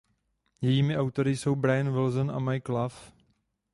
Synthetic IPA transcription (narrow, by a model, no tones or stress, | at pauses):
jɛjiːmɪʔawt̪o̞ɾɪso̞wbɾajanvɪlzonʔamajklaf